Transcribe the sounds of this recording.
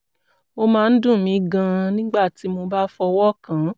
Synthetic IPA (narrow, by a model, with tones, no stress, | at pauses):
o˧mãː˨˦˧n̩˦dũ˦˨mĩ˨˦ɡã˧nĩ˦ɡ͡ba˦˨ti˨˦mo˧ba˦fɔ˧wɔ˦kã˨˦